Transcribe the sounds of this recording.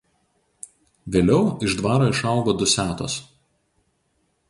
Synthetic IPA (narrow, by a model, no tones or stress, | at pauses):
ʋʲeːlʲɛʊɪʒd̪ʋɑːɾoːɪʃɑˑʊɡoːd̪ʊsʲæːt̪o̰ːs